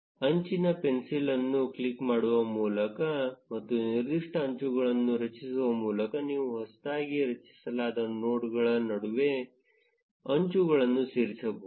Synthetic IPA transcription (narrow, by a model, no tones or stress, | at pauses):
ɐɲt͡ʃinɐpe̞nsilɐnːukɭikmaːɽuʋɐmuːlɐkɐmɐt̪ːuniɾd̪iʂʈɐːɲt͡ʃuɡɐɭɐnːuɾɐt͡ʃisuʋɐmuːlɐkɐniːʋuɦɐst̪aːɡiɾɐt͡ʃi̥sɐlaːd̪ɐnoːʈɡɐɭɐnɐɽuʋe̞ | ɐɲt͡ʃuɡɐɭɐnːusiːɾit͡ʃɐbɐ